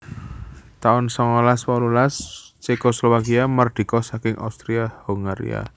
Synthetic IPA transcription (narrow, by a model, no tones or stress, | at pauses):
t̪aʊnsɔŋɔlaswɔlulast͡ʃekoslowakiamərd̪̥i̤kɔsakɪŋʔa̰wst̪ɾiahuŋɡaɾḭa̰